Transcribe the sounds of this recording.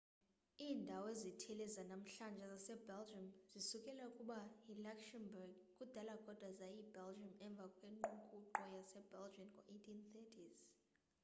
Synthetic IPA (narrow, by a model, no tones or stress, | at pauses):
iːndʱawezitʰɛlɛzanam̩ɬand͡ʒʱɛzasɛbɛld͡ʒamzisukʼɛlaukʼuɓailakʃɛmbɛrɡ | kʼud̥ʱalaɡ̥ʱɔd̥ʱwazajibɛld͡ʒamɛɱb̪vʱakʼweŋŋ͡ǃuŋkʼuǃɔjasɛbɛld͡ʒiɔnŋʱɔʔetʰʼinθɛtʰʼiz̥